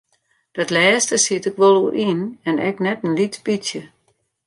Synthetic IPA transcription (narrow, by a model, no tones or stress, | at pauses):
d̥ɔtlɛːstəsitɪkʋɔlˠurʔinɛnɛknɛtən̩litpitjə